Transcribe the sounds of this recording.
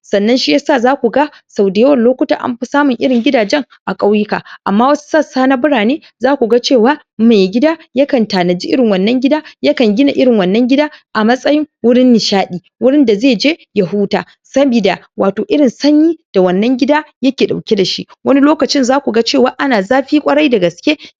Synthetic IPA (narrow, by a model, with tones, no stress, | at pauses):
sɐ˨nːɐ˦nʃi˦ja˦saː˦˨zaː˦kʷu˨ɡa˦ | sa˨wdɪ˨jɐ˦wɐ˨nloː˦kʷʊ˦ta̰ː˨ʔa̰˦mɸi˦saː˦mʊ˨ŋʔɪ˦ɽɪ˨ŋɡʲɪ˦daː˨d͡ʒɛ˦ŋ | ʔa˨kʼa˦wji˦ka̰˨ʔa˨mːaː˦wɐ˦su̥˦sɐ˦saː˦na˦bʊ˦ɽaː˨neː˦ | zaː˦kʷu˨ɡa˦t͡ʃeː˦˨waː˦ | ma˨jɡʲɪ˦daː˦jɐ˦kɐ˨ntaː˨nɐ˨d͡ʒiː˦ʔɪ˦ɽɪ˨ŋwɐ˨nːɐ˦ŋɡʲɪ˦daː˦jɐ˦kɐ˨ŋɡʲɪ˦na˨ʔɪ˦ɽɪ˨ŋwɐ˨nːɐ˦ŋɡʲɪ˦daː˦ʔa˨mɐ˦sʼɐ˦jɪ˦ŋwʊ˦ɽɪ˦nːɪ˨ʃaː˦ɗiː˨wʊ˦ɽɪ˦nda˨zeː˦˨d͡ʒeː˦ja˨ɦuː˦taː˨ | sɐ˦bi˨daː˨ | waː˨toː˨ʔɪ˦ɽɪ˨nsɐ˦ɲjiː˦d̥a˨wɐ˨nːɐ˦ŋɡʲɪ˦daː˦jɐ˦kʲeː˨ɗa˨wkʲe˦da˨ʃḭ˦ʔwɐ˦ni˦loː˦kɐ˨t͡ʃɪ˦nzaː˦kʷu˨ɡa˦t͡ʃeː˦˨waː˦ʔa˦naː˨zaː˦ɸiː˦kʷʼɐ˦ɽa˦jda˨ɡɐ˨skʲeː˦